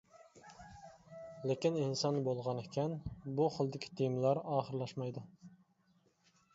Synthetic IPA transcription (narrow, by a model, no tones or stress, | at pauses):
lekʲininsɑnbolˠʁɑnekʲʰɛnbuχəlˠd̪ɪkʲʰi̥t̪ʰijmlˠɑɾɑːχəɾlˠɑʃmɑjd̪u